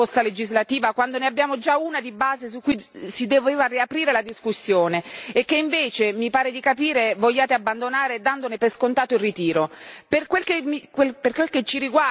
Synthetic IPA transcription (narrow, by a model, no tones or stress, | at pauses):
ost̪aled͡ʒizlat̪iːvakwand̪oneabːjaːmod͡ʒaunad̪ibaːzes̬ukːujsid̪ɛːvevariapɾiːɾelad̪iskusːjoːneːkːeiɱveːt͡ʃemipaːɾed̪ikapiːɾevoʎːaːt̪eabːand̪onaːɾed̪and̪onepeskont̪aːt̪oilrit̪iːɾoperkwelkemikwelperkwelket͡ʃːiɾiɡwa